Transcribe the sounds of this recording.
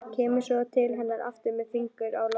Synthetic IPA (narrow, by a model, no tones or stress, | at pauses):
cʰɛːmʏ̥sɔt̪ʰɪlɦɛnːaɾʔa̰ft̪ʏɾmɛðfiŋkʏɾawl